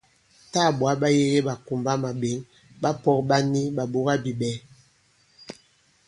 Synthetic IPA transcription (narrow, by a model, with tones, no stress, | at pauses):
ta˦˨bwa˨˦ba˦je˦ɣe˦ba˨ku˨mba˦ma˨be˨˦ŋ | ɓa˦pɔ˦k̚ɓa˦ni˦ba˨bo˦ɣa˦bi˨bɛ˨˦